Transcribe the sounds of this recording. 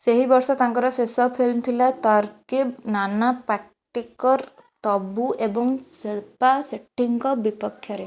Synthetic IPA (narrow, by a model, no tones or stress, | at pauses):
seɦibɔɾsɔt̪aŋkɔɾɔsesɔpʰelnt̪ʰilat̪ɔɾkibnanapɾɛk̚ | ʈekɔɾ | t̪ɔbuebɔŋsiɭpaseʈːiŋkɔbipɔkʰːjɔɾe